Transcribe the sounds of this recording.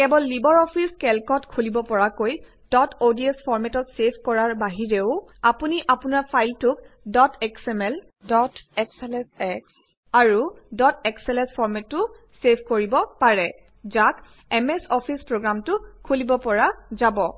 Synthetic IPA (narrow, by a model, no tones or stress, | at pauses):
kɛbɔlːibɔɹɔpʰiskɛlkɔtkʰulibɔpɔɹakoj | dɔtʰodiɛspʰɔɹmɛtɔtsepʰkɔɹaɹbaɦiɹeʊapuniʔapunaɹpʰajltʊk | dɔtʰɛksɛmɛl | dɔtɛksɛlɛnsɛks | aɹudɔtɛksɛlɛ̃nspʰɔɹmɛtːʊ | sepʰkoɹibɔpaɹɛ | zak | ɛmɛsɔpʰispɹoɡɹamtʊkʰulibɔpɔɹazabɔ